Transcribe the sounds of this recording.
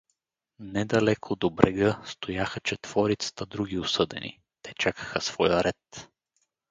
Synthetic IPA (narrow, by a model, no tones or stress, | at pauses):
nɛd̪ɐlɛkʰod̪obɾɛɡəst̪ojaxət͡ʃɛt̪v̥ɔɾit̪sə̥t̪əd̪ɾuɡʲiʊsɤd̪ɛ̰nḭ | t̪ɛt͡ʃakə̥xəsv̥ɔjəɾɛt̪